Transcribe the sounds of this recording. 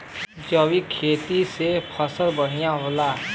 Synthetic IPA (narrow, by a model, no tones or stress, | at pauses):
d͡ʒəwikʰeːt̪isepʰəsəlbəɽ̤̃ijaɦoːla